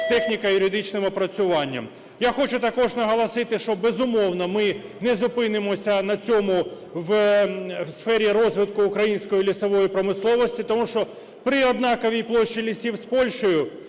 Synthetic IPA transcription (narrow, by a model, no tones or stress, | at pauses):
t̪ɛxnʲikɐjʊɾʲɪd̪ɪt͡ʃnɪmɔpɾɐt͡sʲʊʋɑnʲːɐ̰m | jaxɔt͡ʃʊt̪ɐkɔʐnɐɦɐlˠɐsɪt̪ɪʃt͡ʃɔbezʊmɔwnɐmɪnɛzʊpɪnɪmɔsʲɐnɐt͡sʲɔmʊ | ʋ | sfɛɾʲiɾɔzʋɪt̪kʊːkɾɐjinʲsʲkɔjilʲisɐʋɔjipɾɔmɪslˠɔʋɔsʲtʲit̪ɔmuʃt͡ʃɔ | pɾɪɔd̪nɑkɔʋʲijplˠɔʃːilʲisʲiwspɔlʲʃɔjʊ